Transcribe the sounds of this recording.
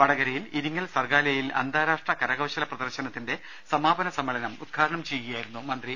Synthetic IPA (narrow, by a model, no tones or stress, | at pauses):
pɐɽɐɣɐɾɐjiliɾiŋːɐlsɐrɡaːlɐjilɐ̰nd̪aːɾaːʂʈrɐkɐɾɐɣɐwɕɐlɐprɐd̪ɐrɕɐnɐt̪ːinde̞ | sɐmaːbɐnɐsɐmːɐlɐnɐmud̪̚ɡʰʱaːɾɐɳɐmt͡ɕejːuɣejaːjiɾunːumɐnd̪ri